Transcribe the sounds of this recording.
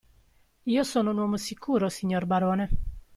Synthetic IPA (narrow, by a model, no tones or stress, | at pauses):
iːosɔːnounwɔːmosikʰuːɾosiɲːorbaɾɔːne